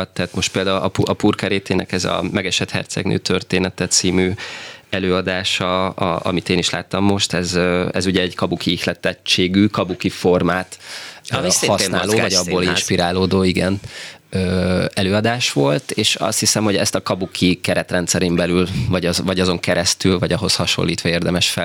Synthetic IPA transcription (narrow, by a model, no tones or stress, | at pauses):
t̪ːaːt̪mo̞ʃt̪̚peːld̪aːulɒpuɒpuːrkɛɾeːt̪eːnʔɛ̰kɛzɒ̰mɛɡɛʃɛt̪hɛ̰rt̪sɛ̰ɡnø̰ːt̪ʰørt̪eːnɛt̪ɛt̪siːmyɛløːɒd̪aːʃɒɒɒ̰mit̪eːniʃla̰ːt̪ːɒmːo̞ʃt̪ɛzøɛzuɟɛɛɟkɒbukʰiixlɛt̪ɛt͡ʃːeːɡyːkɒbukifo̞rmaːt̪ | isɒsnːloːvɒɟɒbːoːlinʃpiɾaːloːd̪oːiɡɛnøːɛløːɒd̪aːʃʋo̞lt̪eːʃɒ̰st̪hisɛmho̞ɟɛst̪ɒkɒbukʰikɛɾɛt̪rɛnt̪sɛɾeːmbɛlylvɒɟɒzvɒɟɒzo̞ŋkɛɾɛst̪ylvɒɟɒɦo̞shɒʃo̞̰lːḭːt̪ʋɒeːrd̪ɛmɛʃfɛ